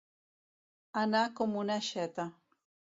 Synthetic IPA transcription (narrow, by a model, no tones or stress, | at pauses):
anakomʊnaʃat̪a